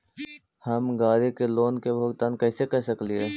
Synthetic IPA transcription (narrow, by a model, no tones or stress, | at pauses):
həmɡaːɾikeloːnkebʱoːɡt̪aːnkɐɪsekɛɦsəklieː